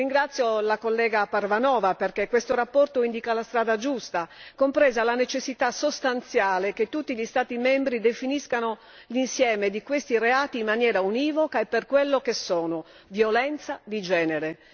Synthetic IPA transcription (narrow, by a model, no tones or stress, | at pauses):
riŋɡɾat̪sjolakolːɛːɡaparvanɔːvaperkekːwest̪oɾapːɔrt̪oind̪ikalast̪ɾaːd̪ad͡ʒust̪akompɾɛːzalanet͡ʃesːit̪asost̪ant̪sjaːleket̪ːut̪ːiʎist̪aːt̪imembɾid̪efiniskano | linsjɛːmed̪ikwest̪ireaːt̪iːmːanjɛːɾauniːvokaepːerkwelːokesːɔːno | vjolɛnt̪sad̪id͡ʒɛːneɾe